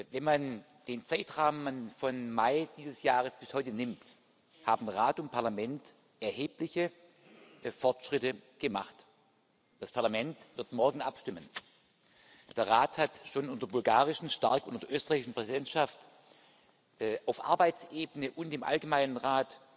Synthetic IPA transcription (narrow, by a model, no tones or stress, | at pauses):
vɛnman | d̥eːnt͡saɪtʁaːmənfɔnmaɪd̥iːzəsjaːʁəsb̥ɪshɔʏtənɪmt | haːbm̩ʁaːtʊnt̚pʰaɐlamɛnt | ʔɛɐheːplɪçə | fɔɐtʃʁ̥ɪtəɡ̥əma̰χt | d̥aspʰaɐlamɛntvɪɐtmɔɐɡŋ̩ʔapʃtɪmən | d̥eːɐʁaːthatʃoːnʔʊntɐbʊlɡaːʁɪʃn̩ʃta̰ɐkʔʊntɐd̥eɐʔøːstəʁaɪçɪʃn̩pʁ̥ɛzidɛntʃaft | ʔaʊfʔa̰ɐbaɪt͡sʔeːbənəʔʊntd̥eːmʔa̰lɡəmaɪnənʁaːt